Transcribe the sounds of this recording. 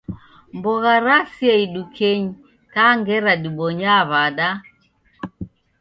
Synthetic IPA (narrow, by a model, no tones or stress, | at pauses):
mbɔɣaɾasjaiɗukʰeɲi | kaŋɡɛɾaɗiɓɔɲaβaɗa